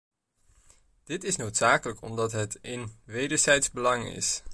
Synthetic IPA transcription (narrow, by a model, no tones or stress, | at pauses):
d̥ɪtɪsnowtsaːkələkɔ̰mdɑtɦətɪnʋejdəɹzɛjtzbəlɑŋɪ̰s